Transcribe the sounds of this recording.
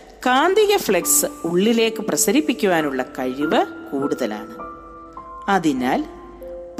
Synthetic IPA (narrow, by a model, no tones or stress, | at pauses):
kaːnd̪iɣɐfɭeksɨuɭːile̞ːkːɨprɐsɐɾipːikʲːuʋaːnuɭːɐkɐɻiʋɐkuːɽuðɐla̰ːɳɨ | ɐðinaːl | p